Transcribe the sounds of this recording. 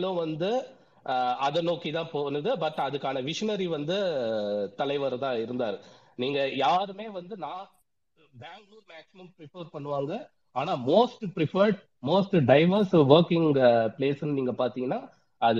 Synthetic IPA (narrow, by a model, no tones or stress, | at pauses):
lʊ̃ʋɐnd̪ɯ | ɐðɐnoːkːit̪ãːpoːnɯðɯbɐʈːɐðɯkːaːnɐʋɪʂɐnɐɾiʋɐnd̪ɯ | t̪ɐlɐɪʋɐɾɐt̪ãːɪɾɯnd̪aːɾɯ | niːŋɡɐjaːɾɯmeːʋɐnd̪ɯnaː | baːŋɡluːɾmaːksɪmɐmpɾɪfɐɾpɐɳːɯʋaːŋɡɐ | aːnaːmoːsʈpɪɾɪfɐɾɖ | moːsʈɖɐɪʋɐɾsʋɐɾkɪŋɡpleːsɪnːɯniːŋɡɐpaːɾt̪iːŋɡɐnːaː | ɐðɯ